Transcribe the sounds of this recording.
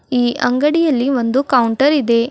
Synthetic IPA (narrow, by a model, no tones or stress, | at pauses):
iːʔɐŋɡɐɽijɐlːiʋo̞nd̪ukɐwuɳʈɐɾid̪e̞